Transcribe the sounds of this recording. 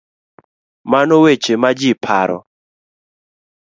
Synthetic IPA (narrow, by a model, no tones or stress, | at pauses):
manɔwet͡ʃemad͡ʒɪpʰa̰ɾɔ̰